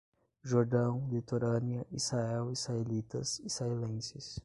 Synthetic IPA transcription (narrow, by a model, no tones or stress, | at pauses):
ʒoɾd̪ɐ̃w̃lit̪oɾɐ̃niɐʔisaɛwishaelit̪ɐsisaelẽsɪs